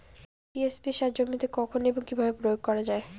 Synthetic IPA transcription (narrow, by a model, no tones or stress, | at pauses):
piesbiʃaɾd͡ʑomːit̪ekɔkʰoneboŋkibʱabepɾojoɡ̚kɔɾad͡ʑae